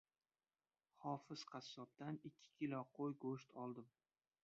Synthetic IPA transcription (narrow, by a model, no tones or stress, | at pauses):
χɒfɪz̥qʰɑsːɒp̚d̪anɪkʲʰːɪ̥kʲʰɪlɒqʰojɡoʃt̪ʰɒlˠd̪ɪm